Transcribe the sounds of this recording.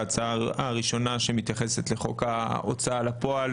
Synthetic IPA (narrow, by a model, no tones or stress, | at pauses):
t͡saaaʁiʃo̞naʃe̞mit̪jaχe̞se̞t̪le̞χo̞kao̰t͡saalapo̞al